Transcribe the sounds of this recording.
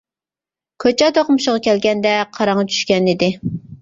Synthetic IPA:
kʲʰøt͡ʃʰɛt̪ʰoqmuʃʁɑkʲʰɛlɡʲɛnd̪ɛqʰɑɾɑŋːɑt͡ʃʰy̥ʃkʲɛnɪd̪ɪ

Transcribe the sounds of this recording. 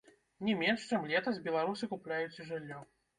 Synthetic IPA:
nʲɛmʲɛnʂt͡ʂɛmlʲɛt̪ɐzʲbʲɛlˠaɾusɨkuplʲajut͡sʲiʐɨlʲːɔ

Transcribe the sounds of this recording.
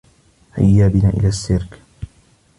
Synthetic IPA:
ha̰jːaːbɪnaːʔɪ̰laːsːɪɾk

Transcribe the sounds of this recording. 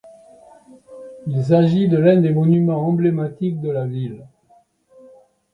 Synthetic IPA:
ils̬aʒid̪əlɛ̃d̪emɔnymɑ̃ɑ̃blemat̪ik̚d̪əlavil

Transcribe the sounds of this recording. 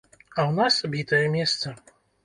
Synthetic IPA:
ɐwnasabʲit̪ɐjɛmʲɛst̪sɐ

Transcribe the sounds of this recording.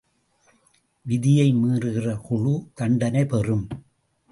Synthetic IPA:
ʋɪðɪjɐɪmiːrɯɣɪrɐkʊɻut̪ɐɳɖɐnɐɪpɛrɯm

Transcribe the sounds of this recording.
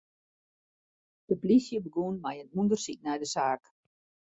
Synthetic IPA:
d̥əplisjəbəɡunmajənundərsik̚nɛjdəsaːk

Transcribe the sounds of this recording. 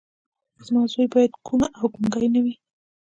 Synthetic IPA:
zmɑzojbɑjad̪kʰumaʔawɡuŋɡajnawi

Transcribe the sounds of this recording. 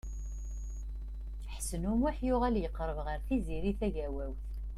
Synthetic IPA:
θəħsənumwaħjʊʁæljəqːɾˤəvʁəɾθiziɾiθæʝæwæwθ

